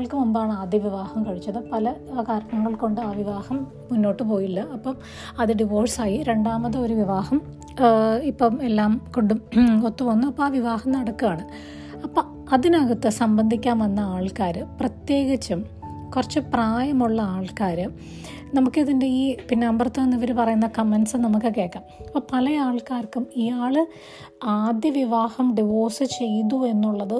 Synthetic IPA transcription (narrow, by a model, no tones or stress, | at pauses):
ɐɭkɨmumbaːɳɨaːd̪jɐʋiʋaːhɐmkɐɻit͡ɕːɐðɨpɐlɐkaːɾɐɐɳɐŋːɐɭko̞ɳɖɨaːʋiʋaːhɐmː | unːo̞ːʈːɨp̬o̞ːjilːɐɐpːom | ɐðɨɖiʋoːrsaːjiɾe̞ɳɖaːmɐðɨo̞ɾuʋiʋaːhɐm | ipːoːmelːaːmkoɳɖumot̪ːupɐnːuɐpːɐaːʋiʋaːhɐmnɐɽɐkːuaːɳɨ | ɐpːoː | ɐðinɐɣɐt̪ːɨsɐmbɐnd̪ʱikʲːaːmɐnːɐaːɭkaːɾɨprɐt̪je̞ːɣit͡ɕːum | kurɐt͡ɕːɨpraːjɐmuɭːɐaːɭkaːɾɨ | nɐmukːɨiðinde̞iːpinːaːmbrɐt̪ːɐenːiʋɐɾupɐrɐjunːɐkɐmːensɨnɐmukːɨke̞ːʈʈːaːmipːopɐlɐjaːɭkaːrkːumijaːɭɨ | aːd̪jɐʋiʋaːhɐmɖiʋoːsɨt͡ɕe̞jnue̞nːuɭːɐðɨ